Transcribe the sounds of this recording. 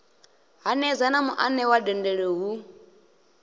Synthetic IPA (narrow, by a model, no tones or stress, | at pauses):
ɦanɛzanamuʔanɛwadɛndɛɺeɦu